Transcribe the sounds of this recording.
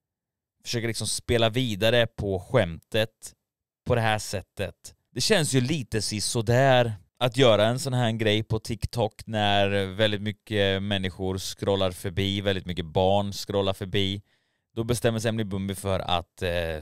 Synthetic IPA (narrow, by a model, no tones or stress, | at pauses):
fœ̥ʂøːkəlɪksɔmspeːlaviːd̪aɾəpʰɔɧɛmt̪ət̪ | pʰɔd̪ɛɦæːʂɛt̪ːət̪ | d̪̥ɛɕɛnːsjɵliːt̪əsɪsɔd̪æːɾ | at̪jœːɾaɛnsɔnɦæːɡɾɛjːpʰɔt̪ʰɪkt̪ʰɔknæɾvɛld̪ɪt̪mʏkːəmɛnːɪɧʊɾskɾɔlːaɾfœɾbiːvɛld̪ɪt̪mʏkːəbɑːɳskɾɔlːaɾfœɾbiː | d̪̥ɔbɛst̪ɛmːəs̬ɛmlɪbɵmbɪfœɾa̰t̪